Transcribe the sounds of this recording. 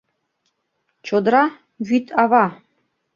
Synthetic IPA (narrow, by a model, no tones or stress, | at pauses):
t͡ɕod̪ɾɑ | βyt̪ʰɑvɑ